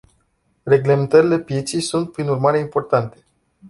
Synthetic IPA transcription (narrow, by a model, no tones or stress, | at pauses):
re̞ɡle̞me̞nt̪əɾile̞pje̞t̪sijsunt̪̚pɾinurmaɾe̞impo̞rt̪ant̪e̞